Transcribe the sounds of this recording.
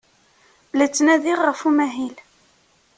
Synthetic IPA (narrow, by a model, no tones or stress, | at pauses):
blæt͡sːnæðiʁːəfumæɦil